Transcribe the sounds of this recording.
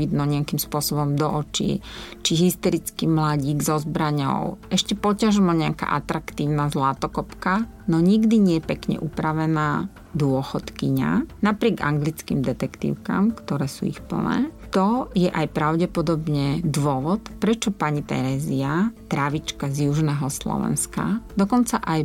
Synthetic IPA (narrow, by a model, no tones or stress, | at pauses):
id̪nɔɲɪakimspʊɔsɔbɔmd̪ɔʔɔt͡ʃḭt͡ʃiɦist̪ɛɾit͡skimlaɟiːɡzɔzbɾaɲɔ̰ʊʔɛʃcɛpɔcaʒmɔɲɛaka̰ʔat̪ɾakt̪iːʊnazlat̪ɔkɔpka | nɔɲiɡd̪iɲɪɛjɛpɛkɲɛ̰ʔupɾaʋɛnaː | d̪ʊɔxɔt̪kiɲa̰napɾɪɛɡa̰ŋɡlit͡skḭmd̪ɛt̪ɛkt̪ḭːʊka̰ːmkt̪ɔɾɛːsṵːḭxpl̩̰nɛ̰ːt̪ɔjɛʔajpɾaʊɟɛpɔd̪ɔbɲɛd̪ʋʊɔʋɔt̪pɾɛt͡ʃɔpaɲit̪ɛ̰ɾɛːziat̪ɾaʋit͡ʃkazjuʒnɛːɦɔslɔ̰ʋɛ̰nska̰d̪ɔkɔnt͡saʔaj